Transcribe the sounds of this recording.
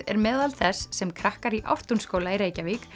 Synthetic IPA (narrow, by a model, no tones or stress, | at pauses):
ɛ̰ɾmɛːðalθɛsːɛmkʰɾahkaɾiʔa̰wht̪unskoːwlaejɾeːjcavik